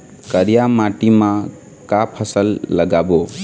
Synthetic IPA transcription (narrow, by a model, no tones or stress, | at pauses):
kəɾijamaʈimã | kapʰʌsəlːʌɡabo